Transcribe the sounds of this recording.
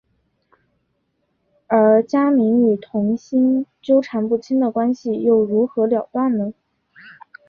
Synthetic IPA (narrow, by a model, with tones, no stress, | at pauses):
ə˞˧˥t͡ɕja˥mi˧˥ŋy˨˩t̪ʰʊ˧˥ŋɕi˥nt͡ɕjo˥ʊʈ͡ʂʰa˧˥npu˥˩t͡ɕʰi˥nd̪ə˨kwa˥nɕi˨jo˥˩ʊɻu˧˥xɤ˧˥ljɑ˨˩ʊt̪wa˥˩nnə˩